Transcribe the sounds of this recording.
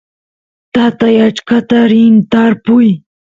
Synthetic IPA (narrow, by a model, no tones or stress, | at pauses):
t̪at̪ajat͡ʃkat̪aɾɪnt̪aɾpʊj